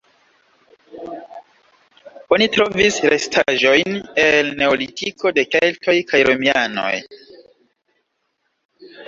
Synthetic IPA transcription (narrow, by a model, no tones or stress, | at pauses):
o̞nitɾo̞visɾe̞stʰaʒo̞jnelne̞olitʰikʰo̞de̞keltʰo̞jkajɾʔomiano̞̰j